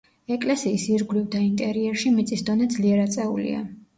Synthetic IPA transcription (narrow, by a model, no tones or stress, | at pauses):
ɛkʼlɛsiːsiɾɡwlivd̪aint̪ʼɛɾiɛɾʃimit̪sʼisd̪ɔnɛd̪zliɛɾat̪sʼɛṵlḭa̰